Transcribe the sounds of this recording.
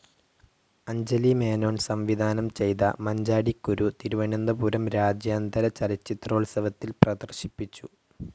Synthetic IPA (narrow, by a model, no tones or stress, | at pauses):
ɐɲd͡ʑɐlime̞ːno̞ːɳsɐmʋid̪ʱaːnɐmt͡ɕe̞jt̪ɐ̰mɐɲd͡ʑaːɽikːuɾut̪iɾuʋɐɳind̪ɐpuɾɐmɾaːd͡ʑjaːnd̪ɐɾɐt͡ɕɐlit͡ɕːit̪ro̞ːɭsɐʋɐt̪ːilprɐd̪ɐrɕipːit͡ɕːu